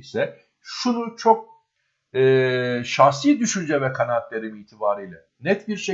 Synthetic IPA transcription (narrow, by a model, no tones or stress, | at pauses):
isɛ | ʃunut͡ʃʰo̞k̚ | ɛːʃasiːd̪yʃynd͡ʒɛvɛkʰanaːt̪lʲeɾimiːt̪ʰibaːɾiːlʲɛ | nɛt̪biɾʃe